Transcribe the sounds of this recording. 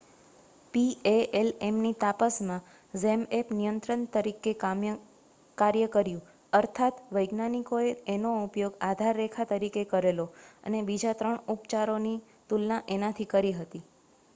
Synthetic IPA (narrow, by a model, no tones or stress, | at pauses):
pieelemnit̪apəsmã | zemepnijənt̪ɾənt̪əɾikem | kaɾjəkəɾjũ | əɾt̪ʰat̪ʋəjɡnanikoeenoupjoɡad̪ʱaɾːekʰat̪əɾikekəɾeloə̰nebid͡ʒat̪ɾəɳupt͡ʃaɾoni | t̪ulnaʔenat̪ʰikəɾiɦət̪i